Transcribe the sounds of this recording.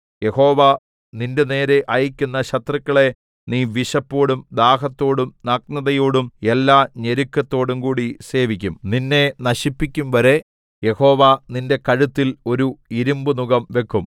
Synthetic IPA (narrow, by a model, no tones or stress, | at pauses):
je̞ho̞ːʋa | ninde̞ne̞ːɾe̞ʔɐjikʲːunːɐɕɐt̪rɐkːɐɭe̞ | niːʋiɕɐpːo̞ːɽumd̪aːɦɐt̪ːo̞ːɽumnɐk̚nɐðɐjo̞ːɽumelːaːɲeɾukːɐt̪ːo̞ːɽumkuːɽise̞ːʋikʲːumninːe̞nɐɕipːikʲːumʋɐɾe̞ | je̞ho̞ːʋaninde̞kɐɻut̪ːilo̞ɾuiɾumbunuɣɐmʋe̞kʰːum